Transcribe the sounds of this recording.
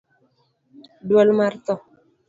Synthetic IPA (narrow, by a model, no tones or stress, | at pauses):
dwɔlmaɾt̪ɔ